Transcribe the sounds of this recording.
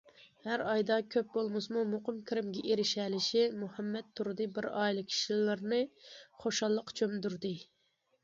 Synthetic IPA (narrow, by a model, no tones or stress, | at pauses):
hæɾɑjd̪ɑkʲʰøp̚bolˠmɨsmumoqʊmkʲʰiɾɪmɡʲɛʔeɾɪʃɛlɪʃimuhɛmːɛt̪ʰːuɾd̪ɨbɪɾɑːilˠɨkʲʰi̥ʃillɨɾnɨχoʃɑlˠːəqt͡ʃʰømd̪yɾd̪ɨ